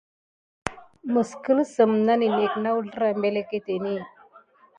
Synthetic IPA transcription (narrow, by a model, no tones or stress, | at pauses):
məskəlsəmnanineknaulɾambeleket̪eni